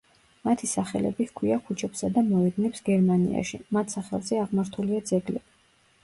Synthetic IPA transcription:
mat̪ʰisaχɛ̰lɛ̰bikʰwiakʰut͡ʃʰɛpsad̪amɔɛd̪nɛpsɡɛɾmanḭa̰ʃḭmat̪ʰsaχɛ̰lˠzɛaʁmaɾt̪ʰuliad̪zɛɡlɛ

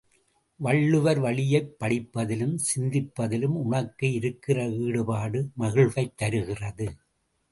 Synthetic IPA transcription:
ʋɐɭːɯʋɐɾʋɐɭɪjɐɪpːɐɽɪpːɐðɪlɯmsɪnd̪ɪpːɐðɪlɯmʊɳɐkːɯɪɾɯkːɪrɐiːɽɯpaːɽɯmɐɣɪɭʋɐɪt̪ːɐɾɯɣɪrɐðɯ

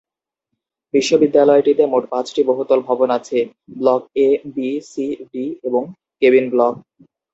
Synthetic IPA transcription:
biʃːobid̪ːalɔeʈit̪emoʈpãt͡ɕʈiboɦut̪ːolbʱɔbonat͡ɕʰe | blɔk̚ebisiɖieboŋ | kebinblɔk̚

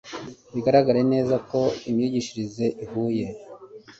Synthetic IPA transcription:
βiɡaɾaɡaɾene̞ːzako̞imɲuɟiʃiɾize̞ʔihuːje̞

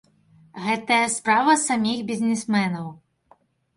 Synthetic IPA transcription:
ɣɛt̪ɐjɐspɾavɐsamʲixbʲizʲnʲɛsmɛnɐw

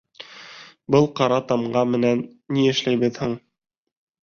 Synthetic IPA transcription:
bɤlˠqɑɾɑt̪ɑmɢɑmɘ̆nænːiɘ̆ʃlæjβɘðhɘɴ

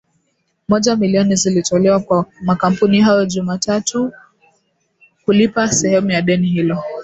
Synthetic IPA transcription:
mɔʄamiliɔnizilitɔlɛwakwamakam̩puniɦajɔʄumatatu | hulipasɛhɛmujaɗɛnihilɔ

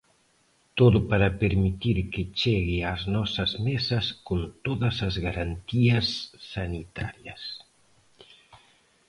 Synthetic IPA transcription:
t̪oðʊpaɾapeɾmit̪iɾket͡ʃeɣɪaznɔsɐzmesɐskont̪oðɐsazɣaɾant̪iɐsːanit̪a̰ɾjɐs

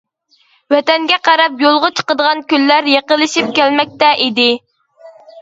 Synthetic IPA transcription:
wɛt̪ɛŋɡʲɛqɑɾɑpjolˠʁʊt͡ʃʰə̥qəd̪əʁɑnkʲylːæɾjeqəlˠːɨʃip̚kʲælmɛk̚ʲt̪ɛʔid̪ɪ

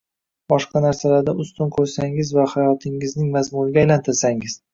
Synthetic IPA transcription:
b̥ɒʃqʰɑnaɾsalaɾd̪aʊst̪ʊnkʰɵɾsaŋɪzvahajɒt̪ʰɪŋɪznɪŋmazmʊɾɪɡʲaːjlant̪ʰɪɾsaŋɪz̥

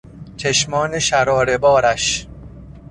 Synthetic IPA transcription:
t͡ʃʰeʃmɒːneʃæɾɒːɾe̞bɒːɾæʃ

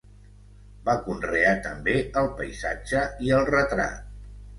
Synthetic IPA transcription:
bakunreat̪əmbeəlˠpə̰jza̰d͡ʒəiəlˠrət̪ɾa̰t̪̚

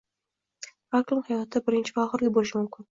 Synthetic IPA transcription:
aklʲɪŋhajɒt̪ʰɪbɪɾɪnt͡ʃʰɪvaɒʁəɾlɪbolɪʃɪmʊmkʲʰɪn

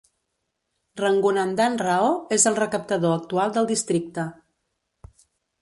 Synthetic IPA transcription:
rəŋɡunənd̪anrəoezəlˠrəkəp̚t̪əðoək̚t̪ualˠd̪əlˠd̪ist̪ɾik̚t̪ə

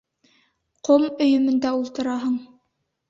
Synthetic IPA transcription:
qʰomɵ̆jɵ̆mɵ̆nd̪æulˠt̪ɤ̆ɾɑɦɤɴ

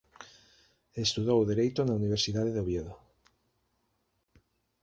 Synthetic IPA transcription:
est̪uðowðeɾejt̪onauniβ̞eɾsiðaðeðoβjeðo

